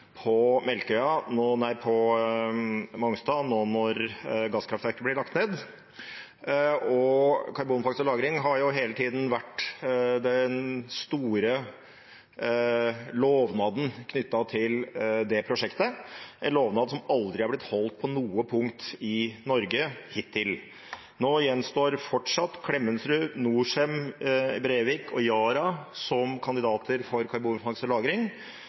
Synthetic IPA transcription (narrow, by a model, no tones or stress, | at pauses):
pʰɔmɛlkəœʏɑnoːnæɪpʰɔ | mɔŋst̪ɑːnoːnɔɾɡɑskʰɾɑft̪ʋæɾkəb̪ɪɾɭɑk̚t̪neːd̪ | ɔkʰɑɾbuːnfɑksɔlɑːɡɾɪŋɦɑɾjʊɦeːlət̪ʰiːd̪n̩ʋæʈːd̪ɛnst̪uːɾə | loːʋnɑːd̪n̩kʰnʏt̪ːɑt̪ʰɪld̪ɛpʰɾʊʂɛkt̪əʔɛnloːʋnɑːd̪sɔmɑld̪ɾɪɑɾblɪt̪hɔlt̪̚pʰɔnuːəpʰʊŋkt̪ɪnɔɾɡəhɪt̪ʰːɪl | noːjɛnst̪oːɾfɔʈʂɑt̪ːkʰlɛmːənsɾʉnuːʂɛmbɾeːʋɪːkʰɔjɑːɾɑsɔmkʰɑnd̪ɪd̪ɑːt̪ʰəɾfɔɾkʰɑɾbunfɑŋsəlɑːɡɾɪŋ